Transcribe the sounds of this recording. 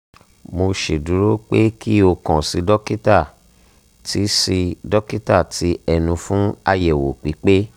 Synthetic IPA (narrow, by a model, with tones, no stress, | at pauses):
mo˧ʃe˨du˨˦ɾo˦k͡pe˦ki˦o˧kɔ̃˨si˨˦dɔ˦ki˦ta˦˨ | tʰi˨˦si˧dɔ˦ki˦ta˦˨tʰi˨˦ɛ˧nũ˧fũ˦a˧jɛ˨wo˨k͡pi˨˦k͡pe˦